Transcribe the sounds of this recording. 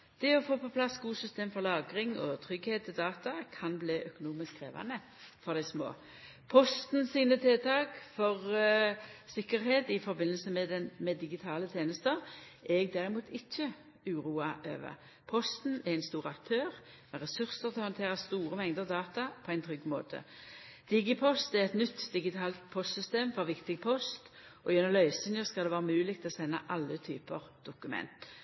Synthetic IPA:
d̪̥ɛɔfoːpʰɔpʰlɑsɡuːsʏst̪eːmfɔɾlɑːɡɾɪŋɔt̪ʰʁʏɡheːt̪̚ʰːɪld̪ɑːt̪ɑkʰɑnbliːʔœkʊnuːmɪskʁeːʋɑ̰nə | fɔʁd̪æɪsmo̰ː | pʰɔst̪nsiːnət̪ʰeːt̪ʰɑːɡfɔʁ | sɪkːəɾɦeːt̪ɪfɔɾbɪnːəlsəmɛd̪ɛmɛd̪ɪɡɪt̪ʰɑːlət̪ʰeːnəst̪əʁʔɛɡd̪æʁɪmuːt̪ʰɪçːə | ʉːɾuːɑʔø̰ːʋə̰ | pʰɔst̪n̩ɛʁæɪnst̪uːʁɑkt̪ʰøːʁ | mɛʁɛsʉʁsəʁt̪ʰɪlhɑnt̪ʰeːʁɑst̪uːɾəmɛŋd̪əʁd̪ɑːt̪ɑpʰɔæɪnt̪ʰʁʏɡmo̰ːt̪ʰə̰ | d̪̥ɪɡɪpʰɔst̪ɛʁɛt̪nʏt̪ːd̪ɪɡɪt̪ʰɑːlt̪pʰɔst̪sʏst̪eːmfɔʁʋɪkt̪ɪɡpʰɔst̪ | ʔɔjɛnɔmlœʏsɪnjəskɑld̪ɛʋæːʁəmʉːlɪkt̪ʰɪlɔsɛnːə̰ʔɑlːət̪ʰy̰ːpəʁd̪̥ʊkʉmɛ̰nt̪

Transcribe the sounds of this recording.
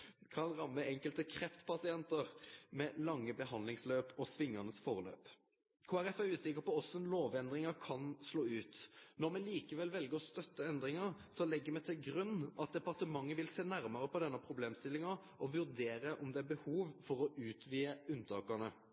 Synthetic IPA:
kʰɑnʁɑmːəɛŋkəlt̪əkʰɾɛft̪pʰɑsɪɛnt̪əʁmɛlɑŋːəbəɦɑnd̪lɪŋsløːpɔsʋɪŋːɑnəsfɔʁəlø̰ːp | kʰoːæɾɛfæɾʉːsɪkəpɔɔsɔɛnloːʋɛnd̪ʁɪŋɑkʰɑnsloːʉːt̪nɔʁmɛliːkəʋɛlʋɛlɡəɾɔst̪œt̪ːəɛnd̪ʁɪŋɑɾsɔlɛɡːəɾmɛt̪ʰɪlɡɾʉnːʔɑt̪̚d̪ɛpɑʁt̪əmɑŋːəʋɪlseːnæɾmɑɾəpɔd̪ɛnːəpʰɾʊbleːmst̪ɪlːɪŋɑ | ɔʋʉɾd̪eːɾəʔɔmd̪ɛæbəhuːʋfɔɾɔʔʉːt̪ʰʋiːəʉnːt̪ʰɑːkɑnə

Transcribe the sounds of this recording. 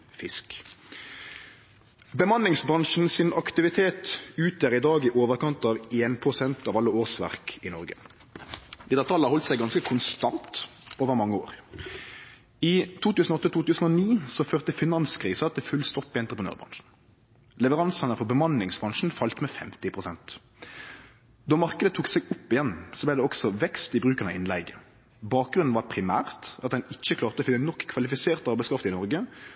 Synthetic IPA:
fɪsk | bəmɑnlɪŋsbʁɑŋʂn̩sɪnɑkt̪ɪʋɪt̪ʰeːt̪ʉːt̪ʰjæːʁɪd̪ɑːɡɪʔoːʋəʁkɑnt̪ɑːʋeːnpʰʁʊsɛnt̪ɑːʋɑlːəoːʁsʋæ̰ʁkɪnɔʁɡə̰ | d̪̥ɛt̪ːət̪ʰɑlːhɑʁhɔlt̪sæɪɡɑnskəkʰʊnst̪ɑnt̪oːʋəʁmɑŋːəo̰ːʁ | ɪt̪ʰuːt̪ʉːsn̩ɔɔt̪ːət̪ʰuːt̪ʉːsn̩ɔniːsɔføːʁt̪əfɪnɑnskʰʁiːsət̪ʰɪlfʉlst̪ɔpːɪɛnt̪ʁəpʰənø̰ːʁbʁɑ̰ŋʂn̩ | lɛʋəʁɑnsənəfɔʁbəmɑnlɪŋsbʁɑŋʂn̩fɑlt̪mɛfɛmt̪ɪpʰʁʊsɛnt̪ | d̪ɔmɑʁkəd̪ət̪ʰuːksɛɡʊpːɪjɛnːsɔblæɪd̪ɛɔksɔʋɛkst̪ɪbʁʉːkəʁnəɪnlɛɪɡə | bɑːk̚ɡɾʁʉnn̩ʋɑɾpʰʁɪmæ̰ːʁt̪ɑt̪̚d̪ɛnɪçːəkʰlɑːʁt̪əɔːfɪnːənɔkʰːʋɑlɪfɪseːʁt̪ɑʁbæɪskʰʁɑft̪ɪnɔʁɡə

